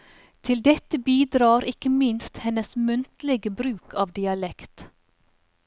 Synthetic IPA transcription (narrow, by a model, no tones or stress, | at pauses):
t̪ʰɪld̪ɛt̪əbiːd̪ɾɑːɾʔɪkəmɪnst̪hɛnəsmʉnt̪l̩ɛɡəbɾʉːkʰɑːʋd̪ɪɑlɛkt̪